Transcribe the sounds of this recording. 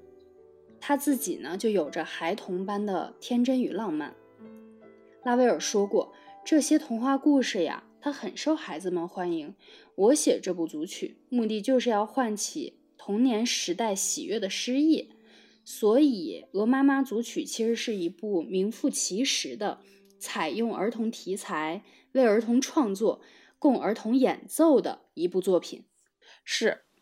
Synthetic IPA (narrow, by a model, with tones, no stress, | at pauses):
t̪ʰa˥t͡sɹ̩˥˩t͡ɕḭ˨˩nə˦t͡ɕjo˥˩ʊjo˨˩ʊʈ͡ʂə˦xa˧˥ɪt̪ʰʊ˧˥ŋpa˥nd̪ə̰˨t̪ʰjɛ˥nʈ͡ʂə˥ny˨˩lɑ˥˧ŋma̰˥˩n | la˥we˧˥ɪə˞˨˩ʂwɔ˥kwɔ˥˩ʈ͡ʂɤ˥˩ɕjɛ˥t̪ʰʊ˧˥ŋxwa˥˧ku˥˧ʂɻ̩˥˩ja̰˩t̪ʰa˥xə˨˩nʂo˥˩ʊxa˧˥ɪd͡zɹ̩˧mə˨nxwa˥ni˧˥ŋ | wɔ˧˥ɕjɛ˨˩ʈ͡ʂɤ˥˧pu˥˩t͡su˧˥t͡ɕʰy̰˨˩˦mu˥˧t̪i˥˧t͡ɕjo˥˧ʊʂ̬ɻ̩˥˧jɑ˥˧ʊxwa˥˩nt͡ɕʰḭ˨˩ | t̪ʰʊ˧˥ŋnjɛ˧˥nʂɻ̩˧˥t̪a˥˩ɪɕḭ˨˩ɥɛ˥˩d̪ə˩ʂɻ̩˥i˥˩ | swɔ˧˥i˨˩˦ɤ˧˥ma˥ma˥t͡su˧˥t͡ɕʰy˨˩t͡ɕʰi˧˥ʂɻ̩˧˥ʂɻ̩˥˩i˧˥pu˥˩mi˧˥ŋfu˥˩t͡ɕʰi˧˥ʂɻ̩˧˥d̪ə˧ | t͡sʰa˨˩ɪjʊ˥˩ŋə̰˞˧˥t̪ʰʊ˧˥ŋt̪ʰi˧˥t͡sʰa˧˥ɪ | we˥˩ɪə˞˧˥t̪ʰʊ˧˥ŋʈ͡ʂʰwɑ˥˧ŋt͡swɔ˥˩ | kʊ˥˩ŋə̰˞˧˥t̪ʰʊ˧˥ŋjɛ˨˩nt͡so˥˩ʊd̪ə̰˩ | i˧˥pu˥˧t͡swɔ˥˩pʰḭ˨˩˦n | ʂɻ̩˥˩